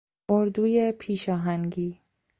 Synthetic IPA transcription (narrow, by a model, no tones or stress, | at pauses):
oɾd̪uːjepʰiːʃɒːɦæŋɡiː